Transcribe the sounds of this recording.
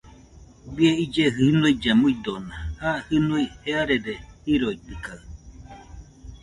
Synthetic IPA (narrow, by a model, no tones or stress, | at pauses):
bieid͡ʒeɦɨnuid͡ʒamuid̪onahahɨnuiheaɾedehiɾoit̪ɯkaɯ